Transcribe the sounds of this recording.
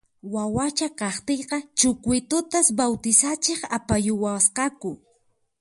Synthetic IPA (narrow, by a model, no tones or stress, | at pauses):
wawat͡ʃakɑχt̪ejqɑt͡ʃʊkwɪjt̪ʊt̪asbawt̪ɪsat͡ʃeχapajʊwasqɑkʊ